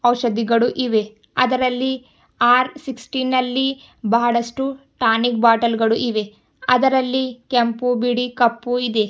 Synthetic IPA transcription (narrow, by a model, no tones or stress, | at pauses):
ɐwʃɐd̪iɡɐɭuʔiʋe̞ | ɐ̰d̪ɐɾɐlːi | aːɾsiksʈinɐlːi | bɐɦɐɽɐʂʈuʈaːnik̚baːʈɐlɡɐɭuʔiʋe̞ | ɐd̪ɐɾɐlːikempubiɽikɐpːuid̪e̞